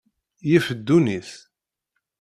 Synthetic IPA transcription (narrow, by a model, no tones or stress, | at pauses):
jifəd̪ːuniθ